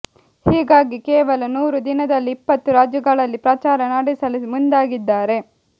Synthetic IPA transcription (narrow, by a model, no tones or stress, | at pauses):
hiːɡaːɡikɛːʋɐlɐnuːɾud̪inɐd̪ɐlːiːpːɐt̪ːuɾaːd͡ʒɐɡɐɭɐlːipɾat͡ʃaːɾɐnaːɽisɐlimund̪aːɡid̪ːaːɾe̞